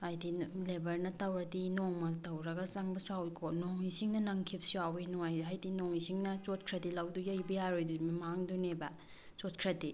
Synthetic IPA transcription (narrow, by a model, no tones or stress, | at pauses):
ajdilebɐɾnɐtɐwɾɐdinoŋmɐtɐwɾɐɡɐsaŋbɐsawkʰonoŋisiŋnɐnɐŋkʰip̚siawinuajɦajdinoŋisiŋnɐt͡ʃot̚kʰɾɐdilawdujɐjbijaɾojdummaŋdunebɐ | t͡ʃot̚kʰɾɐdi